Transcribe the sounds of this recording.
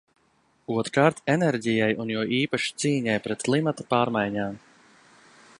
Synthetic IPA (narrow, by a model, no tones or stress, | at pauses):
uɔt̪ɾkaːɾt̪enɛɾɟijajunjuɔʔiːpaʃi̥t̪siːɲajpɾɛt̪klˠimat̪apaːɾmajɲaːm